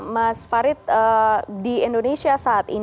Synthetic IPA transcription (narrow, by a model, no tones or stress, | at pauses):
masfaɾɪt̪̚ədiɛndonesiasaːt̪ḭ